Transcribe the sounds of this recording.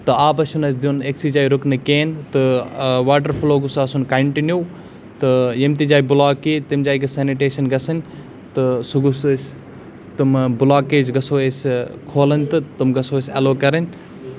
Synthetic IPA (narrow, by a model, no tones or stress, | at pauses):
t̪ɨaːbɐsunɐs̬ʲd̪iuneksiːd͡ʒaːiɾʊknɨkeːnt̪ɨʋaːʈɐɾfloːɡʊsɐsunkɐɳʈinjuː | t̪ɨjɐmt̪id͡ʒaːibʊlaːkiːt̪imd͡ʒaːiɡɐseniʈeːʃɐnɡɐsɐnʲ | t̪ɨsuɡuss | t̪umbʊlaːkeːd͡ʒɡɐsoːeskʰoːlɐnʲt̪ɨt̪umɡɐsoːesʲɐloːkɐɾɐnʲ